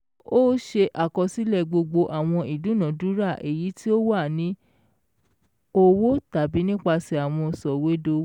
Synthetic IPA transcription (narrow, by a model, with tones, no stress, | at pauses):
o˦ʃe˧ʔa˨kɔ˧si˨˦lɛ˦˨ɡ͡bo˧ɡ͡bo˧ʔa˨w̃ɔ̃˧i˨dũ˨˦nã˨˦du˨˦ɾa˦˨ʔe˨ji˨˦ti˦o˦wa˦˨nĩ˨˦ | o˧wo˦ta˨bi˨˦nĩ˦k͡pa˧sɛ˧˨a˨w̃ɔ̃˧sɔ˨we˦do˧˦